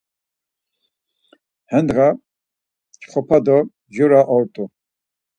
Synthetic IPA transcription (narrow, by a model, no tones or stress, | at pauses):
hɛnd̪ʁa | t͡ʃʼχɔpʰad̪ɔ | d͡ʒuɾaʔɔɾt̪ʼu